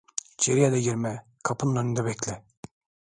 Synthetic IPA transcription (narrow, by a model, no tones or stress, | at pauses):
t͡ʃʰeɾijad̪ɛɟiɾmɛ | kʰapʰɯnnønynd̪ɛbɛclʲɪ